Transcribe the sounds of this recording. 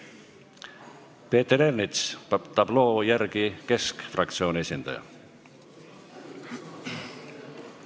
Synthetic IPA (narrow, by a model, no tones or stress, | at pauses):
pe̞ːt̪eɾernit̪st̪ɑblo̞ːjærɡike̞skfrɑkt̪sio̞ːniesʲind̪ɑ̰jɑ̰